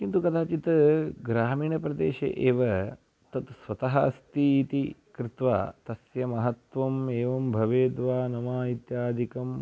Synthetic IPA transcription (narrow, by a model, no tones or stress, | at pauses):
kint̪ukɐd̪aːt͡ʃit̪ɡɾaːmiːɳɐpɾɐd̪ḛːʃḛʔeːʋɐ | t̪ɐt̪sʋɐt̪ɐɦɐst̪it̪ikɾit̪ʋa̰ːt̪ɐsjɐmɐɦɐt̪ʋɐmeːʋɐmbʱɐʋeːd̪ʋaːnɐmaːit̪jaːd̪ʱikɐm